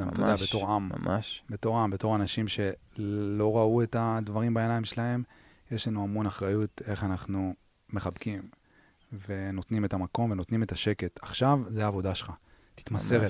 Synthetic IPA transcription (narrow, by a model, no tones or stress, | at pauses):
amt̪odeabeto̞ʁambe̞to̞ʁambe̞to̞ʁanaʃimʃe̞lo̞ʁaue̞tad̪vaʁimbae̞najimʃelahe̞m | je̞ʃlanuamo̞naχʁajut̪e̞χanaχnu | me̞χabkim | ve̞no̞t̪nime̞tamako̞mve̞no̞t̪nime̞taʃe̞ke̞taχʃavzeaːvo̞daʃelχa | t̪i̥t̪mase̞ʁe